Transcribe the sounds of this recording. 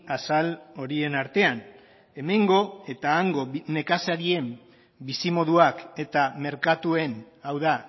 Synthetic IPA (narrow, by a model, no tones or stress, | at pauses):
asalo̞ɾie̞naɾt̪e̞an | e̞me̞ŋɡo̞e̞t̪aːŋɡo̞ːe̞kasaɾie̞m | bisimo̞ðuake̞t̪ame̞ɾkat̪ue̞n | awða